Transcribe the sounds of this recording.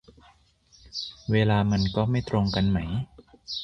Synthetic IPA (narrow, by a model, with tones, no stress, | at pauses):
weː˧laː˧ma˧nkɔː˥˩ma˥˩jt̪ɾo˧ŋka˧nma˦˥j